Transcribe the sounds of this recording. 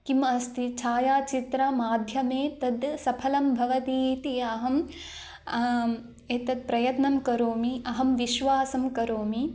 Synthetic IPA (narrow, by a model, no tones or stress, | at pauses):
kimɐst̪ʰit͡ʃʰaːjaːt͡ʃit̪ɾɐmaːd̪ʱjɐmeːt̪ɐd̪sɐpʰɐlɐmbʱɐʋɐt̪iːt̪iɐɦɐm | eːt̪ɐd̪̚pɾɐjɐt̪nɐmkɐɾoːmiɐɦɐmʋiʃʋaːsɐmkɐɾoːmi